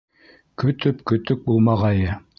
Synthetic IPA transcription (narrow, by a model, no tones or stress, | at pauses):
kɵ̆t̪ɵpkɵ̆t̪ɵk̚bulˠmɑʁɑjɤ